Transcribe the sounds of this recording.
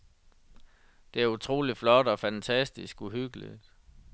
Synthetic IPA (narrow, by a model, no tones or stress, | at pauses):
d̥e̝æɐut͡sʰʁo̝̰ːlid̥flɒ̽d̥ɒ̽fænt͡sʰæsd̥isɡ̥uɦyɡ̥əlḭd̥